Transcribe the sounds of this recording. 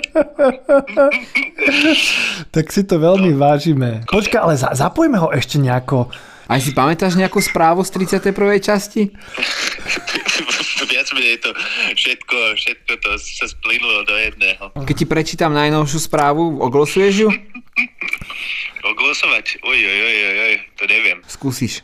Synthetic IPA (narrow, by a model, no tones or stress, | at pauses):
t̪aksit̪ɔʋɛlmiʋaːʒiːmɛpɔt͡ʃkaalɛzazapɔjmɛɦɔʔɛʃcɛɲɛakɔ | ajʃipamɛt̪aːʒɲɛakuːspɾaːʋust̪ɾit͡sɪat̪ɛjpr̩ʋɛjt͡ʃasci | ʋɪad͡zmɛɲɛjt̪ɔfʃɛt̪kɔfʃɛt̪̚kɔt̪ɔssasplinulɔd̪ɔjɛd̪nɛːɦɔkɛc̚cːipɾɛt͡ʃiːt̪amnajnɔʊʃuspɾaːʋuɔɡlɔsujɛʒju | ɔɡlɔsɔʋacujujojojt̪ɔɲɛʋɪɛmskuːsiʃ